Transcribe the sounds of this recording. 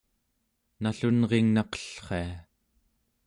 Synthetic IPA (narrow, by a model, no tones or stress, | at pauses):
naɬunʁeŋnɑqʌ̥ɬχe̞a